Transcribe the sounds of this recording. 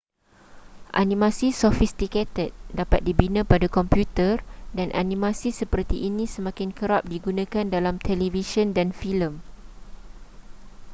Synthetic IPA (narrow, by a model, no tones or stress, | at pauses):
ʔa̰nĩmãsisɔfist̪iket̪ət̪̚dapat̪̚dibinãpadakɔmpjut̪ərdanʔa̰nĩmãsisəpərt̪iʔːnĩsəmãkɪnkəɾap̚diɡunãkandalamt̪ʰɛlivisɔndanfiləm